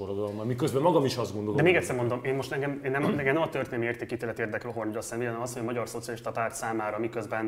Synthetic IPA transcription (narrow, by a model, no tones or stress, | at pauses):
oɾoɡɒlmɒmikøzbɛmmɒɡɒmiʃɒzɡo̞nd̪old̪ɛmeːɡɛc̪t̪sɛrmo̞nd̪omeːnmo̞ʃt̪ɛŋɡɛmeːnːɛmɛɡɛnɛmɒt̪ørt̪eːnɛmieːrt̪eːkit̪eːlɛt̪ieːrd̪ɛkøɦornɒsɛnviːlɛnɛmɒshoɒmɒɟɒrso̞t̪sijɒliʃt̪ɒpaːrt̪saːmaːɾɒmikøzbɛn